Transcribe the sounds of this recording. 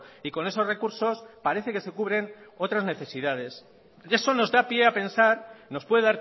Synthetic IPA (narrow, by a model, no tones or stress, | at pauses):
iko̞ne̞so̞sre̞kuɾso̞spaɾe̞θe̞kese̞kuβ̞ɾe̞no̞t̪ɾazne̞θe̞siðað̞e̞s | e̞so̞no̞zðapje̞ape̞nsaɾno̞spwe̞ðeðaɾ